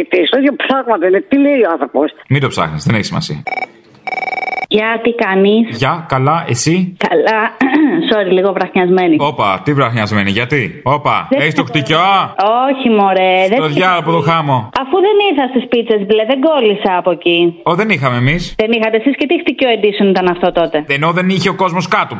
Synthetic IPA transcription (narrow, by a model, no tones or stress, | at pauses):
it̪isojopɾaɣmɐt̪ɐinet̪ileioãnθɾoposmid̪o̞psɐ̰xnizðeneçisimɐ̰sḭɐ | ʝɐt̪ikɐnisʝɐkɐlɐʔe̞sikɐlɐsoɾiliɣovɾɐxɲɐzme̞niopɐ̰t̪ivɾɐxɲɐzme̞niʝɐt̪io̞pɐ̰est̪oxt̪icooçimoɾeðet̪oðʝʝɐpot̪oxɐmo̞ɐfuðeniɾθɐst̪ispit͡se̞zbleðe̞ŋɡo̞lisɐːpocioðe̞nixɐmeːmisðenixɐt̪esiscet̪ixt̪icoend̪isonit̪ɐnɐft̪o̞t̪o̞t̪e̞eno̞ðe̞niçeo̞ko̞zmo̞skɐt̪u